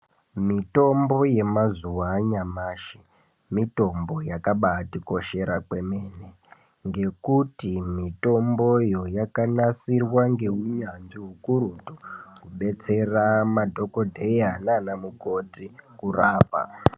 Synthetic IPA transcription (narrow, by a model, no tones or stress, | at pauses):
mito̞mbo̞je̞mazuwaːɲamaːʃe | mito̞mbo̞jakaɓaːtiko̞ʃe̞ɾakwe̞meːne | ŋɡe̞kutimito̞mbo̞jo̞jakanasirwaŋɡe̞ɦuɲanʐiɦukuɾuto̥kuɓe̞t͡se̞ramadʱo̞ko̞dʱeiananamuko̞tikuraːpa̰